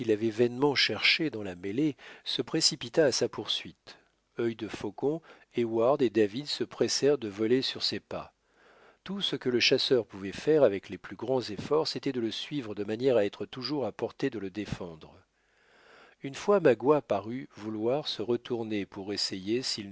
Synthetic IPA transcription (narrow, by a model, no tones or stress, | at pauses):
ilavɛvɛnmɑ̃ʃɛʁʃed̪ɑ̃lamelesəpχesipit̪aːsapuʁsɥit̪ | œjd̪əfokɔ̃ | ewaʁd̪ed̪avid̪səpχesɛʁd̪əvɔlesyʁsepa̰ | t̪usəkələʃasœʁpuvɛfɛʁavɛkleplyɡʁɑ̃zefɔʁset̪ɛd̪ələsɥivʁəd̪əmanjɛʁaɛt̪χət̪uʒuʁapɔʁt̪ed̪ələd̪efɑ̃d̪ʁ | ynfwamaɡwapaʁyvulwaʁsəʁət̪uʁnepuʁesejesil